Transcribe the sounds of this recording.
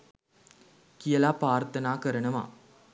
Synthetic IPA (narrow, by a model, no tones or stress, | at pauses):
kijəlaːpaːɾt̪ʰɐnaːkɐɾɐɳɐma̰ː